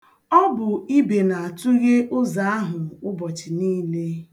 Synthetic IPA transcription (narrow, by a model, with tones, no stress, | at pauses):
ɔ˦bʊ˨i˦be˨na˨a˨tʊ˦ɣe˦ʔʊ˦za˨a˦ɦʊ˨ʊ˦bɔ˨t͡ʃɪ˨niː˦le˦